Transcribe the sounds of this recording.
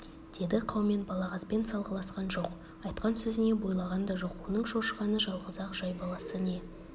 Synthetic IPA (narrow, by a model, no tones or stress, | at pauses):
d̪̥e̞d̪ɪqʰɑwme̞nbɑlˠɑʁɑspe̞nsɑlˠʁəlˠɑsqɑnʒo̞q | ɑjt̪qɑnsɵzɪne̞bo̞jlˠɑʁɑnd̪ɑʒo̞qwo̞nəɴʃo̞ʃəʁɑnəʒɑlˠʁəzɑqʒ̥ɑjbɑlˠɑsəne̞